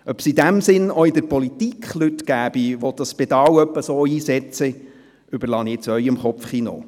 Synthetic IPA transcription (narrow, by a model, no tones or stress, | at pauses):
œpsid̪æmsɪnɔid̪əɾpɔlit̪ikχlyt̪ɡ̥æːb̥iʋɔtdɑspɛd̪ɑwœpːəsoːiːsɛt͡sə | ʏbəɾlɑːnɪt͡sœʏɪmχɔpfχino̰ː